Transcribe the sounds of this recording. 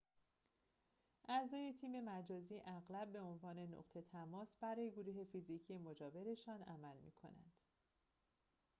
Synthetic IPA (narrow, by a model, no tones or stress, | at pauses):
ʔæzɒːje̞t̪ʰiːme̞mæd͡ʒɒːziːʔæɣlæb̚ːe̞onvɒːne̞no̰qt̪ʰe̞t̪ʰæmɒːsb̥æɾɒːje̞ɡoɾuːɦe̞fizicʰijemod͡ʒɒːve̞ɾe̞ʃɒːnæmælmḭːkʰo̞̰næ̰nd̪̥